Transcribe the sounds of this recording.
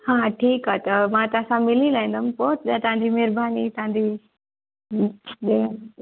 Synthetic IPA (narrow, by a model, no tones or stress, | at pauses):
hãʈʰiːkat̪əmãt̪asãmɪlilaĩnd̪əmpoːt̪d̪at̪ãnd͡ʑimeɾbʱaːnit̪ãd̪i | d̪e